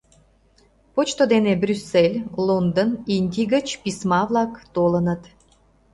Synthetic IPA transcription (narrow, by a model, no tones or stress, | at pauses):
pot͡ɕt̪od̪enebɾʲysːelʲlond̪oninʲd̪ʲiɡət͡ɕpismɑβlɑkt̪olənət̪